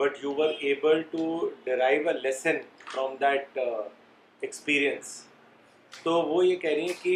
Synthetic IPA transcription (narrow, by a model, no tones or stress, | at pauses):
bɐʈjuːʋəɾeːbəlʈuɖɪɾaɪʋəlɛsə̃nfɾɔ̃md̪æʈ̚ | ekspiːɾiə̃ns | t̪oːʋoːjekɛɦɾeɦɛ̃ki